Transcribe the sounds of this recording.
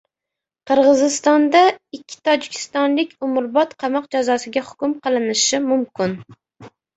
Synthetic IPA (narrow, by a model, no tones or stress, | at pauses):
qʰɨɾʁɨzɪst̪ɒnd̪aɪkʲʰːɪ̥t̪ʰɒd͡ʒɪkʲʰɪ̥st̪ɒnlɪkʲʰʊmʊɾbɒt̪qʰɑmɑqd͡ʒazɒsɪɡʲahʊkʲʊmqʰɨlˠɪnɪʃɪmʊmkʲʰɪn